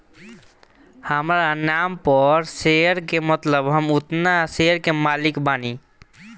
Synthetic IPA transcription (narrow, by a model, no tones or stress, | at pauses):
həmɾanaːmpəɾseɾkemət̪ləbɦəmʊt̪naseɾkemaːlɪkbaːni